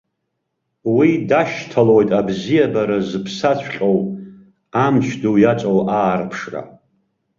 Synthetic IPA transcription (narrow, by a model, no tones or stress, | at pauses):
widaʃtʰalojtʼabzijabaɾazɨpʰsat͡ɕʷʰχʲʼow | amt͡ʃʷʰdowjat͡sʷʼowʔaːrpʰʂra̰